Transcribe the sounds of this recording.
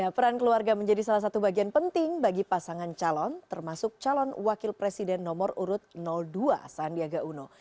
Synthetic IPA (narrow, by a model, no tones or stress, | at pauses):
japəɾankəluarɡaməɲd͡ʒadisalahs̬at̪ubaɡianpənt̪ɪŋbaɡipasaŋant͡ʃalɔnt̪ərmasʊk̚t͡ʃalɔnwakɪlpɾesidɛnːɔmɔruɾʊt̪̚nɔldua̰sandiaɡaʔuno